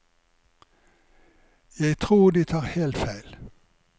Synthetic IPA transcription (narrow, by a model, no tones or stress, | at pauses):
jæɪt̪ʰʁuːd̪iːt̪ʰɑːʁhelt̪fæɪl